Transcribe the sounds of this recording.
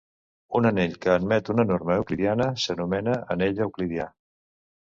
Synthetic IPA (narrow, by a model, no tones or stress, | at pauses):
unəneʎkəːnmɛt̪unənorməwkliðianəsənumɛnəəneʎəwkliðia